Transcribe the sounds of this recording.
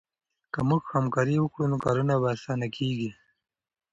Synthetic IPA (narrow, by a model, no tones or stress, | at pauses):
kamʊɡhamkaɾiwəkɽunokaːɾunaβaːsɑːnakʰeɡi